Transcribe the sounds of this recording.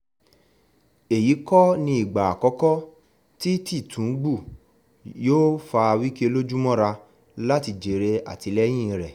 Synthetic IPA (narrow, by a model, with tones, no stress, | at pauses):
e˨ji˨˦kɔ˦nĩ˧i˨ɡ͡ba˨a˨kɔ˦kɔ˦ | ti˦ti˦˨tũ˨˦ɡ͡bu˦˨ | joː˦fa˧wi˦ke˦˧lo˦d͡ʒu˦mɔ̃˦ɾa˧ | la˦ti˧d͡ʒe˨ɾe˧a̰˨ti˨˧lɛ˦j̃ĩ˦˧ɾɛ˨